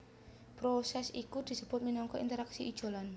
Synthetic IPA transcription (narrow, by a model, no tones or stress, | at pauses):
pɾosɛsikud̪̥i̤səb̥ʊt̪̚minɔŋkɔʔḭnt̪əɾaksiid̥ʒ̥o̤lan